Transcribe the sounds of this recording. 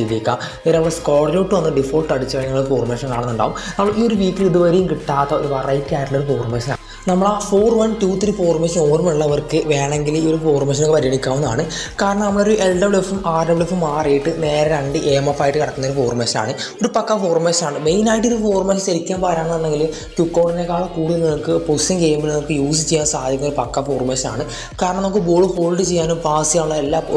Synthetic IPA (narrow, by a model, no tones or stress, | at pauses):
iðikʲːaː | eɾɐɐʋɐskoːɽɐloːʈːɨʋɐnːɨɖifoːlɭʈɐɽit͡ɕːɐɲːɐːɭofoːrmeːʂɐnkaːɳɐnːuɳɖa̰ːʋumnɐmːɐɭioɾuʋiːkːiliðɨʋɐɾijumkiʈːaːt̪ːɐoɾuʋɐrɐjtːaːjʈːlɐoɾufoːrmeːɕɐna̰ː | nɐmːɐɭafoːrʋɐntuːt̪ːiɾifoːrmeɕɐno̞ːrumeɭːɐʋɐrkɨʋe̞ːɳe̞ŋɡilio̞ɾufoːrmeɕɐnokːpɐɾijɐɳikʲːaːʋunːɐðaːɳɨ | kaːɾɐɳɐmɐmːɐɭeoɾuʔelɖɐbɭefumaːrɐbɭefumaːrejiʈːɨne̞ːɾɐɾɐɳɖɨʔeːmɐfːaːjiʈːɨkiɽɐkːnːɐoɾufo̞ːrmeːɕɐa̰ːɳɨoɾupɐkːɐfo̞ːrmeːsaːɳɨme̞jnaːjiʈ̬ːoɾufo̞ːrmeːsɕɐɾikʲːaːnpaːɾaːɳɐnɐnːeŋɡilum | kjukːoːʈinekːaːɭɐkuːɽinːɐmukːɨpostiŋkejːumbilnɐmɐkːɨjuːsit͡ɕːejːaːnsaːd̪ʱjɐkːɐːɐoɾupɐkːɐfo̞ːrmeːsa̰ːɳɨ | kaːɾɐɳɐmɐɐmokːeboːɭfo̞ːɭʈːɨt͡ɕejːaːnumpaːsijaːuɭːɐelːaː